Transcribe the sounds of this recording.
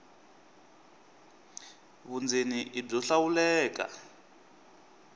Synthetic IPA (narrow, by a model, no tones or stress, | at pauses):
βund͡zeniʔib͡ʐɔɬawulɛːka̰